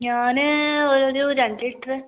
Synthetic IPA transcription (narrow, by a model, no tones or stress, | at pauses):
ɲaːnɨoɾoɾuɾɐɳɖiʈːɐrɨ